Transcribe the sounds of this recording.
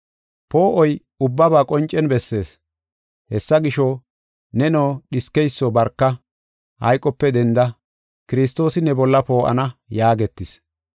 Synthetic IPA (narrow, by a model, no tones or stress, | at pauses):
po̞ːʔɔj | ʊbːɐbaːkʼɔnt͡ʃʼːɛnbɛsːe̞ːs | hɛsːɐɡɪʃɔ | nɛnoːɗɪskɛjsːoːbɐɾkːɐ | hɐ̰jkʼːɔpːɛd̪ɛnd̪ɐ | kɪɾɪs̬t̪o̞ːsɪnɛbɔlːɐpo̞ːʔɐ̰nɐjaːɡɛt̪ːɪs